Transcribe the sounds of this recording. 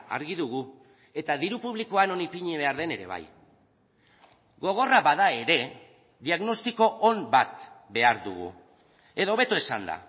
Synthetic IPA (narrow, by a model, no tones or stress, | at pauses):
a̰ɾɣiðuɣu | e̞t̪aðiɾupuβ̞likoano̞nipiɲeβe̞aɾðe̞ne̞ɾe̞̰β̞a̰j | ɡo̞ɣ̞o̞raβaðae̞ɾe̞ | ðiaɣno̞st̪iko̞ʔombat̪be̞aɾðṵɣṵ | e̞ðo̞βe̞t̪uesand̪a̰